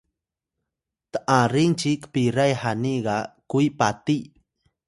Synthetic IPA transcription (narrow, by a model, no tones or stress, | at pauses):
t̪aʔaɾɪnt͡ʃɪkpɪɾajhaniɢɑkʊjpat̪ij